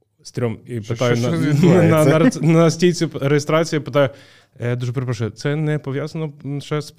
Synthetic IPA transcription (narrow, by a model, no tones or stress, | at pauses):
st̪ɾʲɔmipɪt̪ɑjʊnɐnɐɐnɐsʲtʲijt͡sʲʊɾejɪst̪ɾɑt͡sʲijipɪt̪ɑjʊ | jad̪uʒɛpɾeɛpɾɐʃɛt̪sɛnɛpɔʋʲjazɐnɔʃɛs